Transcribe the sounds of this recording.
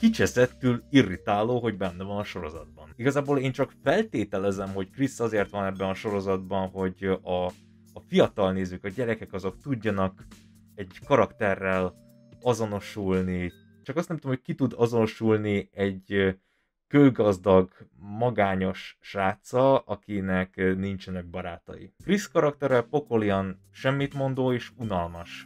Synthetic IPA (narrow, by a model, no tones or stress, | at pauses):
kit͡ʃɛzɛt̪ːylirit̪aːloːɦo̞ɟbɛnːɛvɒnɒʃo̞ɾo̞zɒ̰d̪̚bɒniɡɒzaːboːleːnt͡ʃɒkfɛlt̪eːt̪ɛlɛzɛmɦo̞ckrisːɒzeːrt̪ʋɒnɛbːɛnɒʃo̞ɾo̞zɒd̪bɒnɦo̞ɟɒː | fijɒt̪ɒlneːzyːkɒɟɛɾɛkɛkɒzo̞kt̪uɟːɒnɒk | ɛɟkɒɾɒkt̪ɛrːɛl | ɒzo̞no̞ʃulni | t͡ʃɒkɒst̪ɛmt̪omhoc̚kit̪ud̪ɒzo̞no̞ʃulniɛɟ | kølɡɒzd̪ɒɡmɒɡaːɲo̞ʃʃaːt̪sɒɒkinɛknint͡ʃɛnɛɡ̚bɒɾaːt̪ɒ̰jḭfriskɒɾɒkt̪ɛɾɛlpo̞ko̞liɒn | ʃɛmːit̪mo̞nd̪oːeːʃunɒlmɒʃ